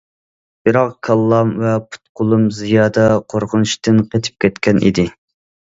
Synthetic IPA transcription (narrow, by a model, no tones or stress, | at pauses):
bɨɾɑq̚kʲʰɑlˠːɑmvɛpʰu̥t̪̚qʰʊlˠumzijɑːd̪ɑqʰoɾqʰʊnuʃt̪ɨnqʰet̪ʰɪ̥p̚kʲɛt̪kʲʰɛnʔḭd̪ɪ